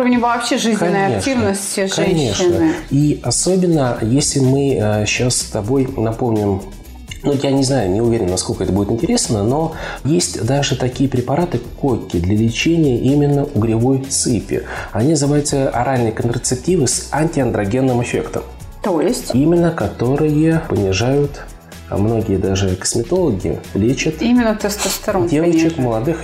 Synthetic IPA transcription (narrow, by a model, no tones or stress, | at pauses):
uəvnʲɪvɐːpɕeʐɨzkɐnːəjɐeʂʲivnəsʲtʲʐkɐnʲe̞ʂnnəiɐso̞bʲɪnːəjesʲlʲɪmɨɕasst̪ɐbo̞jnɐpo̞mnʲɪm | nujanʲɪznajʊnʲɪʊvʲeɾʲɪnnɐsko̞lʲkəɛt̪əbudʲɪt̪ɪnʲtʲɪɾʲesnəno̞jesʲtʲd̪aʐɨt̪ɐkʲijəpɾʲɪpɐɾat̪ɨkokʲːɪd̪lʲəlʲɪt͡ɕenʲɪjəʔimʲɪnːəʔʊɡɾʲɪvo̞j̪sɨpʲɪ̰ɐnʲinəzɨvajʊt̪səɐ̰ɾʔalʲnɨjəkənt̪ɾət̪sɨp̚tʲivɨsanʲtʲɪɐnd̪ɾɐɡʲe̞nːɨmɪfʲe̞kt̪ə̰m | t̪ojɪsʲtʲimʲɪnːəkɐt̪o̞ɾɨjəpənʲɪʐajʊt̪ | mno̞ɡʲɪjəd̪aʐɨkə̥smʲɪt̪o̞lˠəɡʲɪ̰lʲet͡ɕət̪imʲɪnːət̪ɛst̪əst̪ɐɾodʲevət͡ɕɪkməlˠɐd̪ɨx